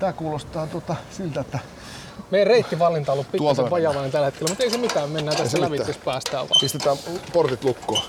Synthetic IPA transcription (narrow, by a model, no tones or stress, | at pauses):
t̪æːkuːlost̪ɑːt̪uot̪ɑsilt̪æet̪ːæ | meiæreit̪ːiʋɑlːint̪ɑolːuppituolt̪ʋɑjɑʋɑinent̪ælæet̪kelæmut̪eisemit̪æːmmenːæːnt̪æslæʋit̪ːespæːst̪æːʋʋɑ̰pist̪et̪æːmport̪it̪lukːoː